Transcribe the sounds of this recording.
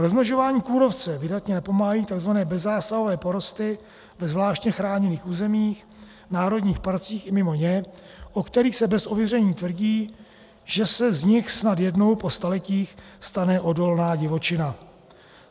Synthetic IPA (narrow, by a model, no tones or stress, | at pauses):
ɾozmnoʒo̞vaːɲiːkuːɾo̞ft͡sɛvɪdat̪ɲɛnapo̞maɦaiːt̪aɡzvanɛːbɛzːaːsaɦo̞vɛːpo̞ɾo̞st̪ɪ | vɛzvlaːʃcɲɛxɾaːɲɛniːxuːzɛmiːx | naːɾo̞dɲiːxpaɾt͡siːxɪmɪmo̞ɲɛʔokt̪ɛɾiːxsɛbɛsʔovjɪrɛɲiːt̪vr̩ɟiː | ʒ̥ɛsɛzɲɪxsnat̪jɛdno̞wpo̞st̪alɛciːxst̪anɛʔo̞do̞lnaːɟɪvo̞t͡ʃɪna